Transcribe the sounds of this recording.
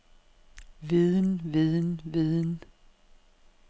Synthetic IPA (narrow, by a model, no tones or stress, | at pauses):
ʋiðˠənʋiðˠənʋiðˠn